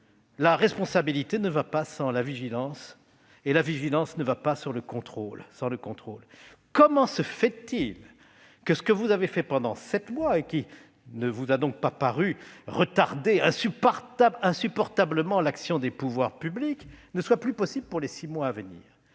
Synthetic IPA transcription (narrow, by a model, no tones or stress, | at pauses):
laʁɛspɔ̃sabilit̪enəvapasɑ̃laviʒilɑ̃s | elaviʒilɑ̃snəvapasyʁləkɔ̃t̪χolsɑ̃ləkɔ̃t̪χolkɔmɑ̃səfɛt̪il | kəsə̥kəvuzavefɛpɑ̃d̪ɑ̃sɛt̪mwaekʲi | nəvuzad̪ɔ̃k̚papaʁyʁət̪aʁd̪eɛ̃sypʁt̪abɛ̃sypɔʁt̪abləmɑ̃laksjɔ̃d̪epuvwaʁpybliknəswaplypɔsibləpuʁlesimwaːvənḭːʁ